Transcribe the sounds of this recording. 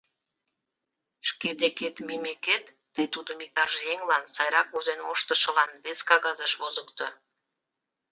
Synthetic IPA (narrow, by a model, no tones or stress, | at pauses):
ʃked̪eket̪mimeket̪ːəjt̪ud̪əmik̚t̪ɑrʒjeŋlɑnsɑjɾɑk̚uzenoʃt̪ə̆ʃə̆lɑnβeskɑɣɑzəʃβozəkt̪o